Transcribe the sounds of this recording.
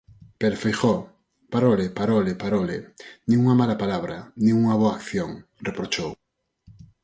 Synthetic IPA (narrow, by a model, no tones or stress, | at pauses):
peɾfejxo | paɾolepaɾolɪpaɾolɪ̰nĩŋuŋɐmalapalaβɾɐnĩŋuŋɐβoaːkθjoŋ | repɾot͡ʃow